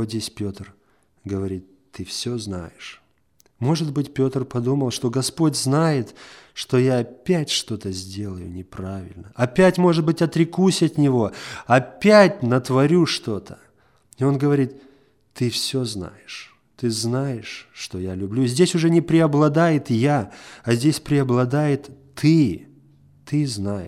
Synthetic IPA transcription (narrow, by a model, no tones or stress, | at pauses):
ot̪dʲesʲpʲo̞t̪r | ɡəvɐɾʲit̪ː | ɨfsʲozna̰jɪʂ | mo̞ʐɨt̪bɨtʲpʲo̞t̪rpɐd̪uməlˠʂt̪o̞ɡɐspo̞tʲznajɪt̪ʂt̪o̞jaːpʲætʲʂt̪o̞t̪əzʲdʲe̞lˠəjʊ̰nʲɪpɾavʲɪ̰lʲnəɐpʲætʲmo̞ʐɨt̪̚bɨtʲɐt̪ɾʲɪkusʲɐt̪nʲɪvo̞ɐpʲætʲnət̪vɐɾʲuʂt̪o̞t̪ʰə̥ | ɪo̞nɡəvɐɾʲit̪ː | ɨfsʲo̞zna̰jɪʂ | t̪ɨznajɪʂːt̪o̞jalʲʊblʲuzʲdʲesʲʊʐɛnʲɪpɾʲɪɐblˠɐd̪ajɪt̪jaɐzʲdʲesʲpɾʲɪɐblˠɐd̪ajɪt̪ː | ɨ | t̪ɨznajɪ̰